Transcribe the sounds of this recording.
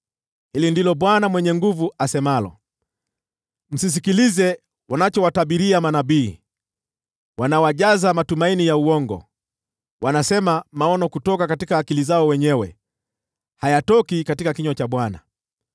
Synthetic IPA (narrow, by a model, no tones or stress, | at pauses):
hilindilɔɓwanamwɛɲɛŋɡuvuasɛmalɔ̰ | m̩sis̬ikilizɛ | wanat͡ʃɔwataɓiɾiamanaɓiː | wʔanawaʄazamatumainijauɔŋɡɔ̰ | wanasɛmamaɔnɔkutɔkakatikaːkilizaɔwɛɲɛwɛ̰ | hajatɔkikatikakiɲɔt͡ʃaɓwana̰